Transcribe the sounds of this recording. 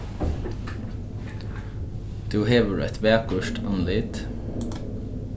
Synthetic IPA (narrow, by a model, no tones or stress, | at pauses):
d̪̥ʉːheːʋəɖʉ̰ːɛt̪ʋæːkʊʃʈʰɑnlɪt̪